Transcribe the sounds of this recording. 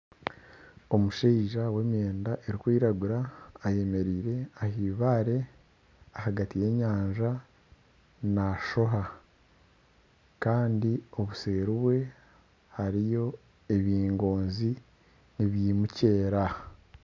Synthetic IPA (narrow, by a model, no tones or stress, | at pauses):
o̞muʃeiʒawe̞mje̞ːndaʔe̞ɾikwiːɾaɡuɾaːje̞me̞ɾiːɾe̞ahiːβaːɾe̞ | ahaɡatije̞ːɲaːɲʒa | naʃo̞ɦa | kaːndio̞βuseːɾuβwe̞ | haɾijo̞ | e̞βiːŋɡo̞ːnzi | niβjimuce̞ːɾa